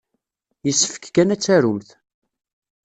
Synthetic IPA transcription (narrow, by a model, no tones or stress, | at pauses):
jəsːə̥fə̥kkːænæt͡sːæɾʊmθ